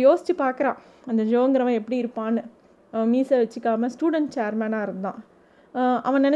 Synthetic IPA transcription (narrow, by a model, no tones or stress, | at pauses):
joːsɪ̥t͡ʃːɯpaːɾkɐɾãː | ɐnd̪ɐd͡ʒoːŋɡɐɾɐʋɐ̃ɛpːɐɽiɪɾɯpːãːnɯ | ɐʋɐ̃miːsɐʋɐt͡ʃːɯkːaːmɐ̃sʈuːɽɛɳʈ̚t͡ʃeːɾmɛːnaːɪɾɯnd̪ã̰ː | ʔɐʋɐ̃nɛn